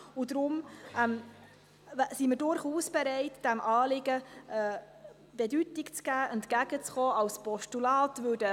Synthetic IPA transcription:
ud̪ɾʊmɛm | siməɾdʊɾχuːsb̥ɛɾɛɪtd̥æmʔɑːlɪɡəɛ | b̥edytɪkt͡sɡ̥æːʔɛntkæɡ̥ət͡sχɔːɑwspɔʃtulɑːtvødə

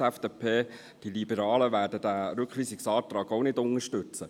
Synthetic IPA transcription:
ɛfd̥eːpʰeː | d̥ilibəɾɑːləʋæːɾdəd̥æɾʉkχʋiːsɪksɑːt̪ɾɑːɡoʊnɪdʊŋəʃtʉt͡sə

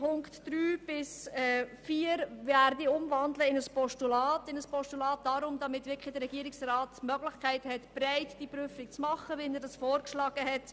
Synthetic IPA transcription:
pʰʊŋktd̥ɾyːb̥ɪsɛːfiːəɾvæːɾdiʊmvɑndləɪnəspɔʃtulɑːtɪnəspʰɔʃtulɑːt̚d̥ɑɾʊmdɑmɪtʋɪkχɪdəɾɛɡ̥iːəɾɪksrɑːtmœɡlɪχkʰæɪthɛtb̥ɾaɪtd̥ipryfɪk̚t͡smɑχəʋɪnədɑsfɔːɾkʃlɑːɡ̥əɦɛt

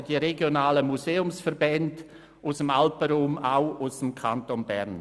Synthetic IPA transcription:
d̥iəɾeɡjonaːləmuseːʊmsfəɾbɛnd | ʔusəmalpəɾuːmaʊusəmkʰantonbɛ̰ɾn

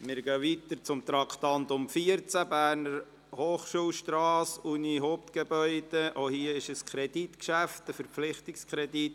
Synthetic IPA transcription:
mɪɾɡœʋit̪əɾt͡sʊmt̪ɾɑkʰt̪ɑnt̪ʊmfiəɾt͡sæbæːɾnəɾ | hoːχʃuːlʃtɾɑːsuniɦoːp̚t̪ɡ̥ebœʏd̥eʔohiəɪʃəskʰɾɛd̥itkʃæftəfəɾflɪχt̪ɪkskʰɾɛdit̪

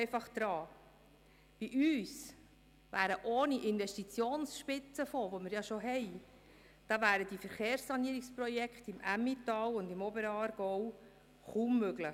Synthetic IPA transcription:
ɛɪfɑχd̥̪ɾɑː | b̥iʔyːs | ʋæːɾəʔoːniʔɪnʋɛʃtit͡sjoːnsʃpɪt͡səfoʋomɪɾjɑʃoɦɛj | d̥ɑːvæːɾəd̥ifəɾχeːɾsːɑniəɾɪksprɔjɛkχtɪmʔæmːitɑːwʊndɪmɔbəɾɑːɾɡ̥ɔw | χuːmːøɡlɪ

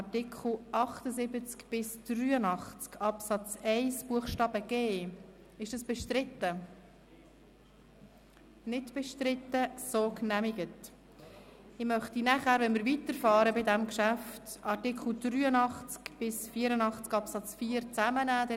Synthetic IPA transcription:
ɑtɪkʰχl̩ʔɑχtəzɪbət͡skb̥ɪsd̥ryːənɑχt͡skɑpsɑt͡sɛɪsb̥uəχʃtɑːb̥əɡ̥eː | ɪʃd̥ɑsb̥ɛʃtɾɪtːə | nɪdb̥ɛʃtɾɪtːəsoːknæmiɡət | ɪmœχtinæχæːɾvɛnmɪɾvitəɾfɑːɾəbɪdɛmkʃæftʔɑɾtɪkχl̩d̥ryːənɑχt͡skb̥ɪsfiːəɾənɑχt͡skɑpsɑt͡sfiːəɾt͡sæmənæːd̥ɛ

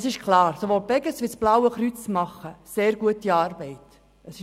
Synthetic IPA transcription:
sɪʃkʰlɑːɾsoʋoːlb̥ɛɡəsʋisb̥lawəχɾyt͡smɑχːəseːɾɡuətiɑːrbɛɪt | ʔəsɪ

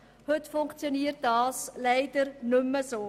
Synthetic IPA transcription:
hɵtfʊŋkt͡sjoniːərt̚dɑːslɛɪdərnʏmːəsoː

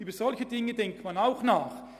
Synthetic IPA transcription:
yːbəzɔlçədɪŋːədɛŋk̚tmanaʊxnaːχ

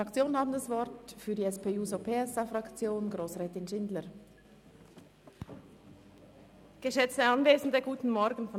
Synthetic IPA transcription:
akt͡sjoːnənhaːbn̩dasv̥ɔɾtfyːɐdiːɛspeːuːzopʰeːɛsaːfʁɑkt͡sjoːnɡʁoːsʁɛːtɪnʃɪndləɾ | ɡ̥əʃɛt͡stəɑnveːzn̩dəɡuːtn̩mɔɾɡən̩fɔ

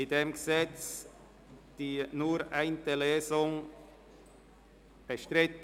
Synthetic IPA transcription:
ɪdeːmɡəzɛt͡s | d̥iːnuːɾʔaɪntəleːzʊŋ | b̥əʃtʁɪt

